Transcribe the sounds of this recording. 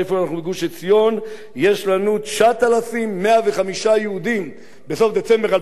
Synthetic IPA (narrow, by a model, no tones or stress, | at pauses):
efoanaχnubeɡuʃet͡sjo̞n | je̞ʃlanuʃat̪alafimːe̞ave̞χamiʃajeud̪im | beso̞fd̪e̞t͡se̞mbe̞ʁa